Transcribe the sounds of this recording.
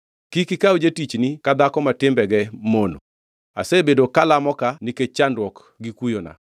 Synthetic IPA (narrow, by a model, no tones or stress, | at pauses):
kikikawd͡ʒetit͡ʃnikad̪akɔmatɪmbɛɡɛmono̰ | a̰sebedokalamɔkaniket͡ʃandwɔk | ɡikujona̰